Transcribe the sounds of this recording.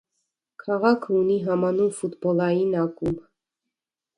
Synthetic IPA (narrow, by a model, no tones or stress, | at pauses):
kʰɑʁɑkʰəuniɦɑmɑnumfut̪bɔlɑjinɑkum